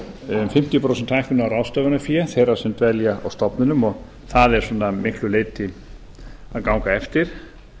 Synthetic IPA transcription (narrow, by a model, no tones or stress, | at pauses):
mfɪm̥t̪jipʰɾowsɛnt̪ʰːajhkʏnawɾawst̪œːvʏnafjɛθejrḁsɛmt̪vɛljaawst̪ɔpnʏnʏmɔɣ | θaðɛɾ̥sɔːnːamɪhklʏleːjt̪ʰːɪ | aðkawŋkaɛft̪ɪɾ̥